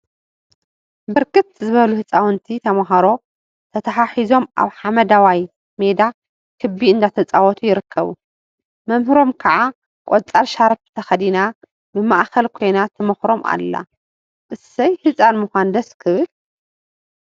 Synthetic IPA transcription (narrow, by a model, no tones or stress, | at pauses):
bɨɾkɨt̪zɨβɐluhɨt͡sʼawɨnt̪ʰit̪ʰɐmaɦɐɾo̞ | t̪ʰɐt̪ʰɐħaħizo̞mʔa̰βħamɐd̪awaj | med̪a | kʰɨbːiɨnd̪at̪ʰɐt͡sʼawɔt̪ʰujɪɾɨkʰːɐβṵ | mɐmhɨɾo̞mkʰɐʕa | kʼot͡sʼaɾʃaɾft̪ʰɐxɐd̪ina | bɨmaʔkʰɐlkʰo̞jnat̪ʰɐmɐxɾo̞mʔa̰lːa̰ | ʔɨsɐjhɨt͡sʼanmɨxʷand̪ɐskʰɨβɨl